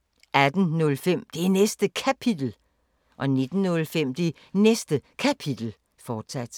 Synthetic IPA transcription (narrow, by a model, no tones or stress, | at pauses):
ʔæd̥n̩nɔ̽lfem̰d̥e̝ænesd̥əkʰæpʰid̥l̩ | ʔɒ̽ne̝d̥n̩ːɔ̽lfem̰d̥e̝ | nesd̥əkʰæpʰid̥l̩ | fɒːd̥sæd̥